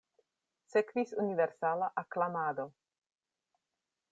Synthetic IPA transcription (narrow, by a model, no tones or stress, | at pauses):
sekvisuniveɾsalaʔaklamaːd̪o̞